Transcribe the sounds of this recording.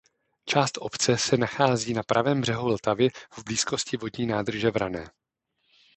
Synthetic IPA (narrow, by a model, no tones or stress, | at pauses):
t͡ʃaːst̪ʔo̞pt͡sɛsɛnaxaːziːnapɾʔavɛːmbr̝̥ɛɦult̪avɪvbliːsko̞scɪvo̞dɲiːnaːd̪r̩ʒɛvɾanɛː